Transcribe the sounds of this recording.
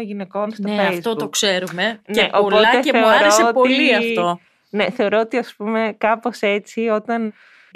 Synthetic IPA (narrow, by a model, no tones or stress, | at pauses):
ʝine̞konst̪efeɐzt̪ookseɾumeneʔopo̞t̪eeθeoɾoseopoliɐft̪o | ne̞θe̞o̞ɾo̞ot̪iɐspume̞kɐpo̞se̞t͡sio̞t̪ɐn